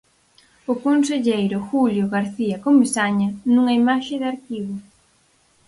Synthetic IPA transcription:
ʊkonseʎejɾʊxuljʊɣaɾθiɐkomisaɲɐnuŋɐimaʃɪðɪaɾkiβʊ

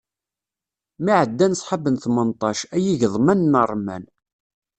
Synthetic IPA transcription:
miʕəd̪ːænəsˤħɑbənθmənt̪ˤɑʃæjiʝəðˤmænːərˤmæ̰n

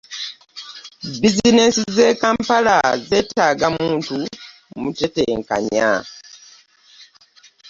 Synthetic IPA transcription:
bizinesize̞ːkaːmpalaze̞ːtʰaɡamuːntu | muteteŋka̰ɲa̰

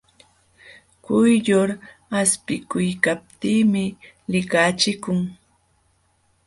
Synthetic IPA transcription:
kʊjʎoɾ | aspɪkʊjkap̚t̪iːmɪ | lɪkat͡ʃɪkʊŋ

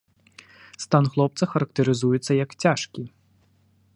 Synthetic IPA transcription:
st̪anɣlˠɔp̚t̪sɐxɐɾɐk̚t̪ɐɾɨzujɛt̪sːɐjɐkt͡sʲaʂkʲi

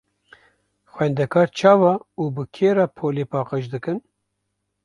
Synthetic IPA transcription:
xwɛnd̪ɛkʰɑːɾt͡ʃʰɑːvɑuːbɨkʰeːɾɑpʰoːlepɑːqəʃd̪ɨkɨn

